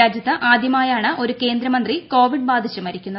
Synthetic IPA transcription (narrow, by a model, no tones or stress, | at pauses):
aːd͡ʑjɐt̪ːɐʔaːd̪ʱjɐmaːjaːɳɨʔo̞ɾuke̞ːnd̪ɾɐmɐnd̪riko̞ːʋiɖbaːd̪ʱiɕːɐmɐɾikʲːunːɐ